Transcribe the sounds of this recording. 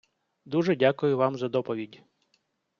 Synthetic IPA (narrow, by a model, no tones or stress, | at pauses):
d̪uʒɛdʲakʊjʊʋɑmzɐd̪ɔpɔʋʲidʲ